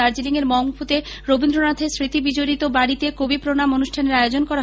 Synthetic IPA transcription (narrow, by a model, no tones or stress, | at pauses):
aɾd͡ʑiliŋeɾmɔŋfut̪e | ɾobind̪ɾonat̪ʰesɾit̪ibid͡ʑoɾit̪obaɽit̪ekobipɾonamonuʃʈʰaneɾajeod͡ʑonkɔɾaɦ